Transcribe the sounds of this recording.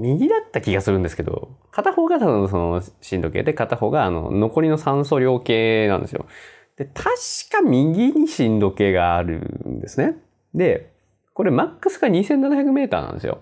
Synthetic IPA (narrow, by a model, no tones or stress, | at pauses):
mʲiɡʲid̪at̪ːakʲiɡasɨɾɯ̟̃nd̪esɨ̥ke̞d̪o̞̰kat̪aho̞ːɡat̪abɯnos̬onoɕĩnd̪o̞ke̞̰ːd̪e̞kat̪aho̞ːɡaːno̞̰no̞ko̞ɾʲino̞sãɰ̃s̬o̞ːɾʲo̞ːke̞ːnã̰nd̪e̞sɨ̰jo̰ | d̪̥e̞t̪ʰaɕi̥kamʲiɡʲiɲ̟iɕĩnd̪o̞ke̞ːɡaːɾɯ̟̰nd̪e̞sɨne̞ | d̪e̞ | ko̞ɾe̞makːɯ̟sɨ̥ɡaɲ̟isenːanaçakɯ̟me̞ːt̪a̰ːnã̰nd̪sɨ̰jo̰